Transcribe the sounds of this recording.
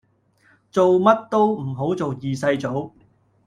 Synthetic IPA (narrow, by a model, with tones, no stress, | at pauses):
t͡so˨wmɐ˥t̚t̪o˥wm̩˨˩ɦo˨˥wt͡so˨wjiː˨sɐ˧jt͡so˨˥w